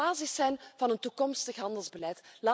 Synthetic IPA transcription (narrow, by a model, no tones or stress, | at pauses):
aːzisɛjnv̥ɑnəntukɔmstəxɦɑndəlˠzbəlɛjtlaː